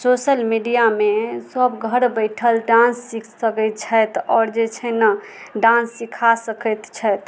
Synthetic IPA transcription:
sosəlmiɖijamesəbɡʱəɾbəɪʈʰəlɖãnsːikʰsəkət̪̚t͡ʃʰət̪ɔːɾd͡ʒet͡ʃʰɛnə | ɖãnsːikʰasəkət̪t͡ʃʰət̪

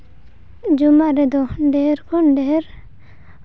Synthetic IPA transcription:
d͡ʒumaɾed̪oɖeɾkonɖeɾ

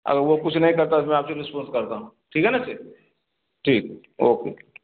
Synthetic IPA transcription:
ɐ̰ɡəɾʋokʊt͡ʃʰnɐɦĩkɐɾt̪amɛ̃aːpseɾɪspɔ̃ːnskɐɾt̪aɦũ | ʈʰiːkɦɛnat͡ʃʰeː | ʈʰiːk | oːkeː

